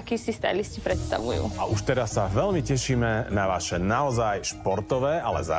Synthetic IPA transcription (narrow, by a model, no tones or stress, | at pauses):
kiːsist̪ɛ̰jliscipɾɛt̪st̪a̰ʋujṵːʔa̰ʔuʃt̪ɛɾasːaʋɛlmicɛʃiːmɛnaʋaʃɛnaɔzajʃpɔɾt̪ɔʋɛːalɛ̰za̰